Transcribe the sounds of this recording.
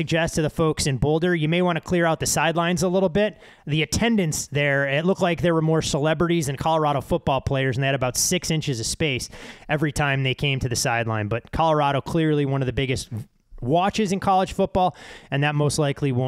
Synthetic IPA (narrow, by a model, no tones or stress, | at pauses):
sɨɡ̚d͡ʒɛstʰɨðəfoʊksɨ̃nbolˠdə˞jɨmeɪwɑ̃ñtʰɨkʰl̥ɪɹaʊt̪̚ðɨsaɪdˡlãɪ̃nzəlɪɾl̩ˠbɪt̪̚ | ðiɨtʰɛ̃ndɨ̃ntsðə˞ɪtˡlʊk̚tlaɪk̚ðə˞wə˞mɔɹsəlɛbɹɨɾizɨ̃nkʰɑlˠə˞ɑɾoʊfʊt̚b̥ɔlˠpʰl̥eɪə˞zɨn̩ðeɪɨɾɨbaʊtsɪksɪ̃nt͡ʃɨzʌv̥speɪsɛvɹitʰãɪ̃mðeɪkʰẽɪ̃mtʰɨðɨsaɪdˡlãɪ̃nbʌt̚kʰɑlˠə˞ɑɾoʊkʰl̥ɪɹlˠiwʌ̃nʌvðɨbɪɡɨst̚ | wɑt͡ʃɨzɨ̃nkʰɑlˠəd̥ʒ̥fʊt̚b̥ɔlˠɨ̃nðɨt̚moʊstˡlaɪkʰliw̃